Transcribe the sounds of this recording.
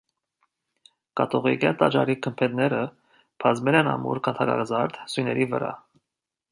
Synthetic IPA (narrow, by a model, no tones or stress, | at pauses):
kɑt̪ɔʁiɡɑt̪ɑt͡ʃɑɾikʰəmpʰɛt̪nɛɾə | pʰɑzmɛlɛnɑmṵɾkʰɑnt̪ʰɑɡɑ̰ɡzɑɾd̪sujnɛɾivə̰ɾɑ̰